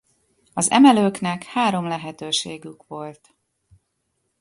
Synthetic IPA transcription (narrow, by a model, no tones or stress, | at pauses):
ɒzɛ̰mɛløːknɛkhaːɾo̞mlɛɦɛt̪øːʃeːɡykʋo̞lt̪